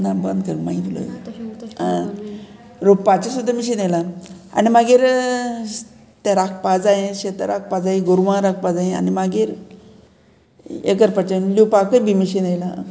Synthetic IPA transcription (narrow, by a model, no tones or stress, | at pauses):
nabənd̪kəɾmait̪ilo̰ | ã | ɾopat͡ɕesud̪ʱːamiɕinajlaa̰nimaɡiɾ | t̪ɛɾakʰpad͡zajẽɕet̪aɾak̚pad͡zaeɡoɾʋãɾak̚ʰpad͡zaẽa̰nimaɡiːɾ | ḛkəɾpət͡ɕənlupakəbimiɕinajla